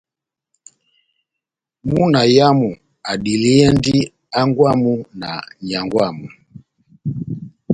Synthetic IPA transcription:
mu˦na˨ja˦mu˨ | a˨ɗi˨li˦ɛ˦ndi˦ | a˦ŋɡwa˦mu˦na̰˨ɲa˨ŋɡwa˦˨mu˨

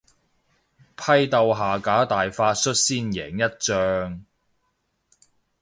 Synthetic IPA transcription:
pʰɐ˧jt̪ɐ˨wɦaː˨˩kaː˨˥t̪aː˨jfaː˧tsɵ˥t̚siː˥njɛ̰ː˨˩ŋjɐ˥t̚t͡sœː˧ŋ

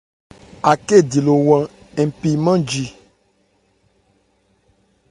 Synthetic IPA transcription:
a˨ke˦˨di˨lo˨wã˨ | ẽ˨m˨pi˨mã˦d͡ʒi˨

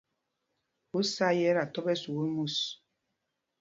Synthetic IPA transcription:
u˦sa˦jɛ˦ɾa˨tɔ˦bɛ˦su˨wu˦mu˦˨s

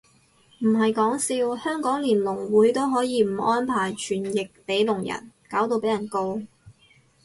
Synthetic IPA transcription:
m̩˨˩ɦɐ˨jkɔː˨˥ŋsiː˧whœː˥ŋkɔː˨˥ŋliː˨˩nlʊ˨˩ŋwuː˨˥jt̪o˥wɦɔː˨˥jiː˨˧m̩˨˩ʔɔː˥npʰaː˨˩jt͡ʃʰyː˨˩njɪ˨k̚pe˨˥jlʊ˨˩ŋjɐ̰˨˩nkaː˨˥wt̪o˧pe˨˥jɐ˨˩nko˧w

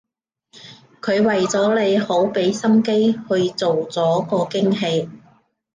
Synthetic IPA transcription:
kʰɵ˨˧ɥwɐ˨jt͡sɔː˨˥le˨˧jho˨˥wpe˨˥jsɐ˥mke˥jhɵ˧ɥt͡so˨wt͡sɔː˨˥kɔː˧kɪ˥ŋɦe˧j

